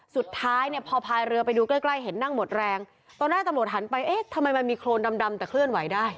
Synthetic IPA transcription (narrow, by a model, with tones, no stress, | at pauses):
su˨˩t̪ʰːaː˦˥jni˥˩əpʰɔː˧pʰaː˧jɾɯ˧ɐpa˧jduː˧kla˥˩jkla˥˩jɦe˩˦nːa˥˩ŋmo˨˩t̪̚ɾɛː˧ŋ | t̪ɔː˧nːaː˥˩t̪a˧mɾu˨˩t̪̚ɦa˩˦npa˧jʔeː˦˥˩t̪ʰa˧mːa˧jma˧nmiː˧kʰɾoː˧nda˧mda˧mt̪ɛː˨˩kʰlɯ˥˩ənwa˩˦jdaː˥˩j